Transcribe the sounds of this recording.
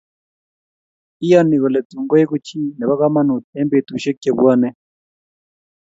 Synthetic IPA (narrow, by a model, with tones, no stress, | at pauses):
i˦ja˦ni˨kɔ˨lɛ˨tu˨ŋɡɔ˦jɛ˦ku˦t͡ʃʰi˦nɛ˨βa˦ka˦ma˦nu˨tɛ˦mbe˨t̪u˨ʃɛ˦kɛ˨βwa˦nɛ˦